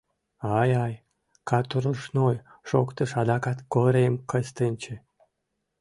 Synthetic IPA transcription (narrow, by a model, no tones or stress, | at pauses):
ɑjɑj | kɑt̪uɾuʃnoj | ʃokt̪ə̆ʃɑd̪ɑkɑt̪koɾemkə̆st̪ənʲt͡ɕĕ